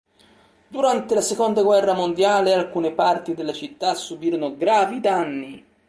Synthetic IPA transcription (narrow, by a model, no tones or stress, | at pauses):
d̪uɾant̪elasekond̪aɡwɛrːamond̪jaːlealkuːnepart̪id̪elːat͡ʃit̪ːasːubiːɾonʊɡɾaːvid̪anːi